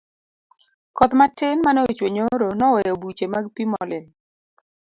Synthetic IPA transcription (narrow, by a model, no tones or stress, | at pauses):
kɔt̪matɪnmanɛot͡ʃweɲoɾonɔwɛjobut͡ʃemaɡpimɔ̰lɪn